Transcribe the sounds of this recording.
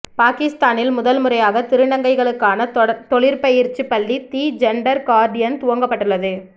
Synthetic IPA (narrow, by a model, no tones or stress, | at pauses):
paːkɪst̪aːnɪlmʊðɐlmɯɾɐjaːɣɐt̪ɪɾɯɳɐŋɡɐɪɣɐɭɯkːaːnɐt̪ɔɭɪɾpɐjɪɾt͡ʃːɯpːɐɭːit̪iːd͡ʒɛɳɖɐɾkaːɾɖɪjɐnt̪ʊʋɐŋɡɐpːɐʈːɯɭːɐðɯ